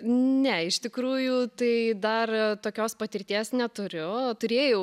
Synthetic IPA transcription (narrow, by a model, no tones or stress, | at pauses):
nʲɛɪʃt̪ʲɪkɾuːjuːt̪ɐɪd̪ɐrt̪oːkʲoːspɐt̪ʲɪɾʲt̪ʲiɛsnʲɛt̪ʊɾʲʊt̪ʊɾʲeːjɛʊ